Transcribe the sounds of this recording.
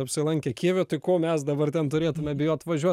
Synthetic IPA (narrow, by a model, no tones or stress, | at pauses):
ɐpʲsʲɪlˠɐŋʲkʲɛkʲiɛʋʲot̪ɐɪkoːmʲɛsd̪ɐbɐrt̪ʲɛnt̪ʊɾʲeːt̪ʊmʲɛbʲɪjoːɐt̪ʋɐʒʲuɔ